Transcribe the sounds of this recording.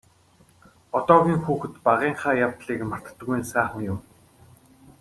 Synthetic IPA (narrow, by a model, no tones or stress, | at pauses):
ɔt̪ɔːɣʲiːŋxuːxɘ̆t̪paʁiːɴχaːjawt̪ɮiːkmar̥t̪̆t̪̆ɣuj̆nsæːχə̆ŋjʊm